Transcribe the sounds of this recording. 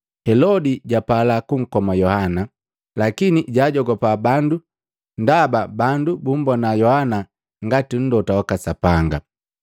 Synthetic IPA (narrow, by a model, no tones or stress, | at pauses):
hɛlɔdiɟapalakuŋ̩kɔmajɔhana | lakiniɟaːɟɔɡɔpabandu | n̩dababandubum̩bɔnajɔhana | ŋɡatin̩dɔtawakasapaŋɡa